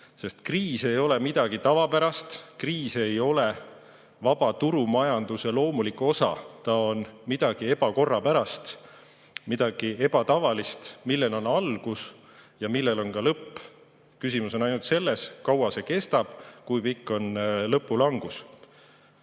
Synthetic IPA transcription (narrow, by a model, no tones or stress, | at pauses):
se̞st̪kriːse̞jo̞le̞mid̪̥ɑɡ̥it̪ɑvɑpæɾɑst̪kriːse̞jo̞le | vɑb̥ɑt̪uɾumɑjɑnd̪̥use̞lo̞ːmulikːo̞sɑ̰t̪ɑo̞nmid̪̥ɑɡ̥ie̞b̥ɑko̞rːɑpæɾɑst̪ | mid̪̥ɑɡ̥ie̞b̥ɑt̪ɑvɑlist̪milːe̞no̞nɑlɡ̥us | jɑmilːelo̞nkɑlɤpː | kysimuso̞nɑjnult̪se̞lːe̞skɑwɑse̞ke̞st̪ɑb̥kujpikːo̞nlɤpːˑulɑŋɡ̥us